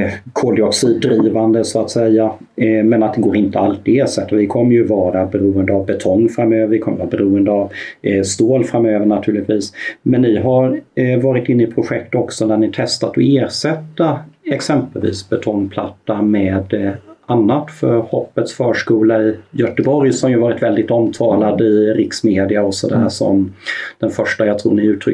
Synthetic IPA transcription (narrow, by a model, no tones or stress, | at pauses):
kʰoːd̪ɪɔksiːd̪ːɾiːvand̪əsɔat̪sɛjːa | mɛnat̪̚d̪ɛɡoːɾɪnt̪əalt̪ɪeːʂɛt̪ːavɪkʰɔmːəɾjɵvɑːɾabɛɾuːənd̪əavbɛt̪ʰɔŋːfɾamːøːvəɾɪkʰɔməvɑːɾabɛɾuːənd̪əavst̪oːlfɾamøːvəɳat̪ʰʉ̟ːɭɪt̪ʰviːsmɛnːɪɦaɾvɑːɾɪt̪ɪnːɪpʰɾʊɧɛk̚t̪ɔksɔnæɳɪt̪ʰɛst̪at̪ɔeːɾʂɛt̪ːaɛksɛmpəlvḭːsbɛt̪ʰɔŋːpʰla̰t̪ːamɛːd̪ʔanːat̪fœɾhɔpːət̪sfœːʂkuːlaɪjœʈəbɔɾjsɔmjɵhvɑːɾɪt̪vɛld̪ɪt̪ɔmt̪ʰɑːlad̪əɪɾɪksmeːd̪ɪaɔsɔd̪æɦæːʂɔ̰md̪̥ɛnfœʂʈajɑt̪ʰɾṵːɳɪʉ̟ːt̪ʰɾʏ